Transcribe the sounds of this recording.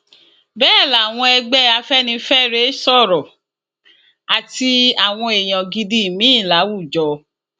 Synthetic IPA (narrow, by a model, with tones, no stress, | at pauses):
bɛː˦˨la˨w̃ɔ̃˧ɛ˧ɡ͡bɛ˦a˧fɛ˦nĩ˧fɛ˦ɾe˦sɔ˦˨ɾɔ˨ | a˨ti˧a˨w̃ɔ̃˧e˨j̃ã˨ɡi˧di˧˦˨mĩ˦˨la˨˦wu˦˨d͡ʒɔ˨˦